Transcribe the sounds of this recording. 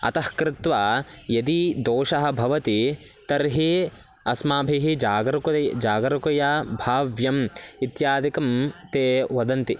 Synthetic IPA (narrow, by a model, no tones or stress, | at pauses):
ɐ̰t̪ɐhkɾɪt̪ʋaːjɐd̪id̪oːʃɐɦɐ̆bʱɐʋɐt̪i | t̪ɐɾɦi | ɐsmaːbʱiɦid͡ʒaːɡɾɐkuɐd͡ʒaːɡɐɾɐkɐjaːbʱaːʋjɐmit̪jaːd̪ikɐmt̪eːʋɐd̪ɐnt̪i